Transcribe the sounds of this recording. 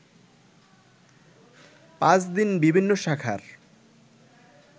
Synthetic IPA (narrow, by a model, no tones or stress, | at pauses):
pãt͡ɕʰd̪inbibʱinːoʃakʰa̰ɾ